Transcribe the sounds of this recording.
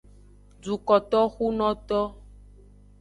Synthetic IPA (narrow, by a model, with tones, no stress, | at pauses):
d͡ʒu˨kɔ˨t̪ɔ˦xu˦nɔ̃˦t̪ɔ˦